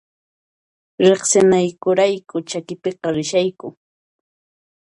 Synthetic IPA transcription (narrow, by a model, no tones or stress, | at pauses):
ɾeχsɪnajkʊɾajkʊt͡ʃakɪpeqɑɾɪʃajkʊ